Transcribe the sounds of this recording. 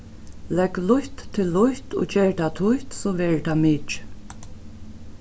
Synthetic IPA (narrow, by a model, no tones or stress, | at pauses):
lɛɡlʊjht̪ʰːɪlːʊht̪o̰ːd͡ʒɛːɹt̪ʰat̪ʰʊjt̪sɔʋɛːɹt̪ʰamɪt͡ʃ